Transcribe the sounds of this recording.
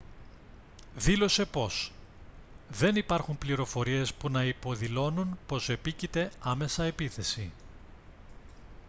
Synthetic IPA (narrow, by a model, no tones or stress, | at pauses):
ðilo̞se̞po̞s | ðe̞nipɐɾxumpliɾo̞fo̞ɾie̞spunɐipo̞ðilo̞nunpo̞se̞picit̪e̞ɐme̞sɐe̞piθe̞si